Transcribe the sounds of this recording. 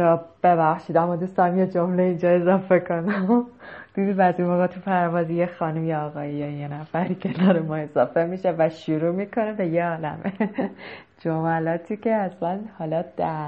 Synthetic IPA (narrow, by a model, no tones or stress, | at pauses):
ɾɒb̥e̞βæxʃiːd̪æmːɒd̪uːst̪ɒmjed͡ʒo̞mleind͡ʒɒːe̞zɒːfe̞kʰo̞næ | d̪̥iːd̪id̪bæziɒɣɑt̪ʰupʰæɾvɒːzijexɒːnumjeɒːɣɒːjejɛjenæfæɾicʰed̪ɒːɾemɒe̞zɒːfemiːʃevæʃuɾuːmiːkʰo̞nebe̞jeɒːlæ̰me | d͡ʒomælɒːt̪ʰiːcʰe̞æslænhɒlɒd̪̥æ